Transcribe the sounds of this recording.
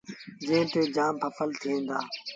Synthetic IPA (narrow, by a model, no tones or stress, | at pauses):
d͡ʒẽːʈ̪eːd͡ʒaːmpʰəfʰəlt̪ʰĩːnd̪a̰ː